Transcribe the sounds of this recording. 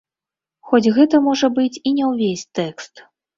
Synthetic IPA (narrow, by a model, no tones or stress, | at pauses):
xɔt͡sʲɣɛt̪ɐmɔʐɐbɨt͡sʲinʲɛwvʲesʲt̪ɛkst̪